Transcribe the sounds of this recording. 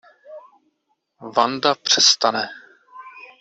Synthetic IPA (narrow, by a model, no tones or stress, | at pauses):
vand̪apr̝̥ɛst̪anɛ